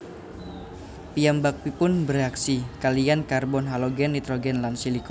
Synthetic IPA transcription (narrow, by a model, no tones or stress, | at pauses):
pijambak̚pipʊnbəɾeaksikalijankarbɔnɦaloɡɛnːit̪ɾoɡɛnlansilikɔ